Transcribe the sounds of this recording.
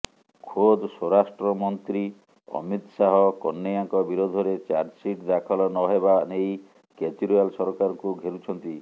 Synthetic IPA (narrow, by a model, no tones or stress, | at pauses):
kʰod̪sɔɾasʈɾɔmɔnt̪ɾi | ɔ̰mit̪saɦɔkɔnːejaŋkɔbiɾod̪ʱɔɾet͡ʃaɾd͡ʒsiʈd̪akʰɔlɔnɔɦebanej | ket͡ʃiɾialsɔɾɔkaɾɔŋkuɡʱeɾut͡ʃʰɔnt̪i